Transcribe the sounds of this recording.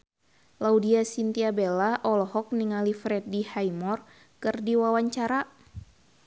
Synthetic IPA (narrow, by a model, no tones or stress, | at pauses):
laudiasint̪iabelaʔɔlɔhɔk̚niŋalifɾɛt̪̚dihajmɔr | kɨrdiwawaɲt͡ʃaɾa